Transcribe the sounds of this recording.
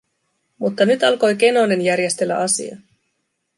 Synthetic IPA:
mut̪ːɑnyt̪ɑlko̞jk̟e̞no̞ne̞njæɾje̞st̪e̞lːæ̰ʔɑsḭɑ̰

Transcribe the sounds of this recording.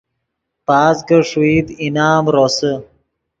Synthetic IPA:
paːsɡəʂiːd̪inaːmɾosə

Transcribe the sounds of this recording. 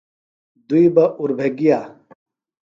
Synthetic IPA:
d̪uibɐʔuɾbʱeɡijaː

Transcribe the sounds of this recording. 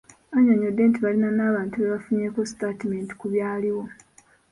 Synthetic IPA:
aɲoɲodːe̞ːntiβalinanaːβaːntuβeβafuɲeːkostatimenti̥kuβjaːliwo̞

